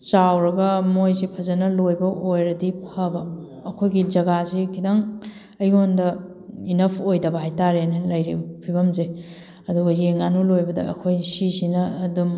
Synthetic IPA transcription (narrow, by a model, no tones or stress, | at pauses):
t͡ʃawɾɐɡɐmojzipʰɐzɐnɐlojbɐʔojɾɐdipʰɐbɐː | kʰojɡid͡ʒɐɡazikʰidaŋ | ɐjondɐ | inɐpʰojdɐbɐɦajtaɾenalɐjɾḭpʰibɐmze | ɐduɡɐjeŋanulojbɐdɐ̰ɐ̰kʰojsisinɐːdum